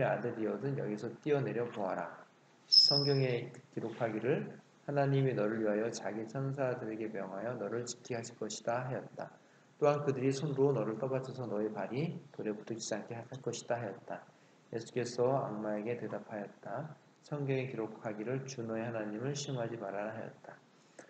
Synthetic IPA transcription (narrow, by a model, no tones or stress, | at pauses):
iɾa̰deiʌdɯnjʌ̰ɡisʰʌt͈iʌne̞ɾjʌpoɦaɾa̰ | sʰʌŋɡjʌŋekiɾokʰaɡiɾɯɭ | hanaɲiminʌɾɯɭɥiɦajʌt͡ɕaɡit͡ɕʰʌns̬ʰadɯɾe̞ɡe̞mjʌŋɦajʌnʌɾɯɭt͡ɕi̥kʰiɦaɕʰiɭk͈ʌɕʰi̥d̥aɦejʌt̚t͈a | t͈oɦankɯdɯɾisʰonɯɾonʌɾɯɭt͈ʌbat͡ɕʰʌsʰʌnʌepaɾitoɾe̞putʰokid͡ʑaŋkʰeaaɭk͈ʌɕʰi̥d̥aɦajʌt̚t͈a | je̞sʰu̥k͈e̞sʰʌa̰ŋmae̞ɡe̞te̞dapʰajʌt̚t͈a | sʰʌŋɡjʌŋe̞kiɾok̚ʰhaɡiɾɯɭt͡ɕunʌehanaɲimɯɭɕʰimɦad͡ʑimaɾaɦajʌ̰t̚t͈ḁ